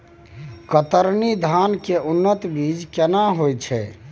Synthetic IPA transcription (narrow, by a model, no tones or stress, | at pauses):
kət̪əɾnid̪ʱankeʔunːət̪bid͡ʒkɛnaɦojt͡ʃʰɛ̰